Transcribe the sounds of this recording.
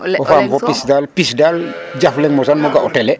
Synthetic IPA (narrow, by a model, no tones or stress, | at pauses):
ɔfaːmfɔpisdalpisdaːl | ɟaflɛŋmɔsanmɔɡaʔɔtɛlɛ